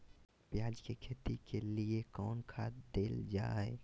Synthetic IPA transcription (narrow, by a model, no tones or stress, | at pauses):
pjaːd͡ʒkekʰeːt̪ikʰeliekɔːnkʰaːd̪eːld͡ʒa̰ːɛ